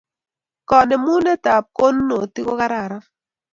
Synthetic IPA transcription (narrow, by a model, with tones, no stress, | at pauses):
kɔ˨nɛ˨mu˦nɛ˦ta˨p̚ko˦nː˦o˨ti˦ko˦ka˦ɾa˨ɾa˦